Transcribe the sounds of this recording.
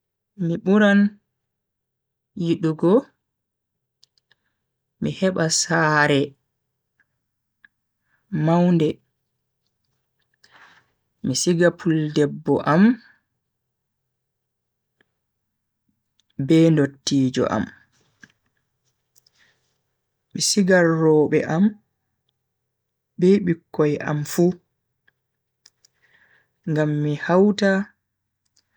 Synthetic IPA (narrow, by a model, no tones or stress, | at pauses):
miɓuɾan | jiɗuɡɔ | mihɛɓasaːɾɛ | mawndɛ | misiɡapʰuldɛbːɔʔam | bɛːndotːiːd͡ʒɔ̰ʔa̰m | misiɡarːɔːɓɛ̰ʔam | bɛɓikːɔjʔa̰mfu | ŋɡamːihawta